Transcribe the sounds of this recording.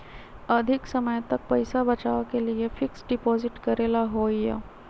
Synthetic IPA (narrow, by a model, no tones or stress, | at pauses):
əd̪ʱiksəməjt̪ək̚pəjsabət͡ɕaʋkelijefiksɖipɔziʈkəɾelaɦojə̰